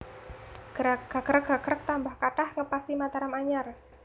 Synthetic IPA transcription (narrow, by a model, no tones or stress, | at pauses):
ɡ̥ɾaɡ̥aɡ̥əɾəɡɡa̤ɡ̥əɾək̚t̪ambahkaʈahŋəpasimat̪aɾamaɲar